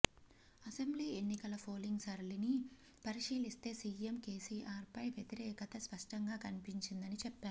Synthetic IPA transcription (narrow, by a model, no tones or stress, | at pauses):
ɐsembliːenːikɐlɐpʰoːliŋɡsɐɾɐlini | pɐɾiʂiːlist̪e̞ːsiːemke̞ːsiːʔaːɾpɐjʋjet̪iɾɛːkɐt̪ɐspɐʂʈɐŋɡaːkɐnipiɲt͡ʃind̪ɐnit͡ʃɛpːaːɾu